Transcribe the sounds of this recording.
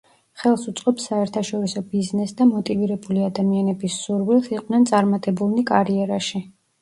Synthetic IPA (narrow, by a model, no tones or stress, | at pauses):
χɛlˠsut̪sʼqʼɔpsaɛɾt̪ʰaʃɔɾisɔbiznɛsd̪amɔt̪ʼiviɾɛbuliad̪amianɛbisuɾwilˠsiqʼnɛnt̪sʼaɾmat̪ʼɛbulˠnikʼaɾiɛɾaʃi